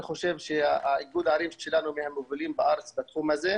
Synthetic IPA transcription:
xoʃevʃeaʕiɡuːd̪ʕaɾiːvʃelanumehamoviliːmbaʔaɾt͡sbat̪xuːmhaze

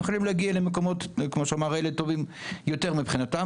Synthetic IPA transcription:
χolimleaɡialemekomo̞tkmoʃeamaʁeleto̞vimjo̞teʁmipχinata

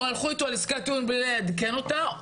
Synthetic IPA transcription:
alχuet̪oaliskat̪unblilead̪kenot̪a

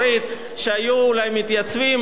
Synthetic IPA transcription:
ɾit̪ | ʃeajuːlajmit̪jat͡svim

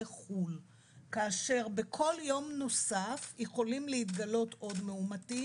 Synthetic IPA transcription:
eχul | kaːʃe̞ʁbe̞kʰo̞ljo̞mno̞safjeχo̞limlehit̪ɡalo̞to̞dmeumati

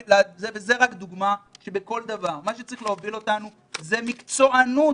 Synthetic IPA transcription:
lazevezeʁakd̪uɡmaʃebeko̞ld̪avaʁmaʃet͡saʁiχleovilo̞tanu | ze̞mikt͡so̞ʔanu

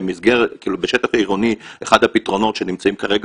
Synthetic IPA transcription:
mizɡeʁekiːlubeʃet̪afaiʁonieχad̪hapit̪ʁo̞no̞tʃe̞nimt͡saimkaʁe̞ɡa

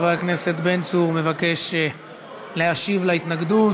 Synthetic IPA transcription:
vaakne̞se̞t̪be̞nt͡suʁme̞vake̞ʃ | leaʃivlait̪naɡd̪ut

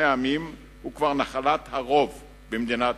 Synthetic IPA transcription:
eamim | hukvaʁnaχalat̪haʁo̞v | bemd̪inat

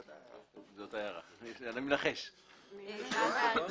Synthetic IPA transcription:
zotajaʁa̰anamenaχeʃ

